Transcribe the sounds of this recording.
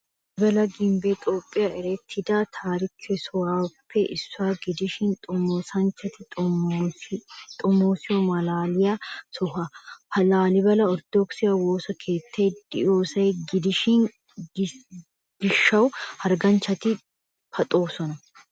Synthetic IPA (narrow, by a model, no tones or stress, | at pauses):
ɪbɐlɐɡɪmbɛt̪ʼoːpʼːɪjaɛɾɛt̪ʰːɪd̪aːt̪ʰaːɾɪkʰɛsɔwaːpʰːɛʔɪsːʊaːɡɪd̪ɪʃɪnt̪ʼmoːsɐnt͡ʃːɐt̪ɪt̪ʼː | t̪ʼɔmoːsɪjɔmɐlaːlɪjasɔɦɐpʰɐlaːlɪbɐlɐɔɾd̪̥oksɪjɐwoːsɐkʰeːt̪ʰːeːd̪̥ɪjoːsɐjɡɪd̪ɪʃɪn | b̥ɪʃːɐwhɐɾɡɐnt͡ʃːɐt̪ɪ | pʰɐt̪ʼo̞ːsɔnɐ